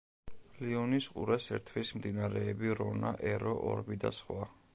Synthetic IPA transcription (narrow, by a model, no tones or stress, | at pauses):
liɔnisqʼṵɾɛsɛ̰ɾt̪ʰwismd̪inaɾɛːbiɾɔnaʔɛɾɔʔɔ̰ɾbid̪a̰sχwa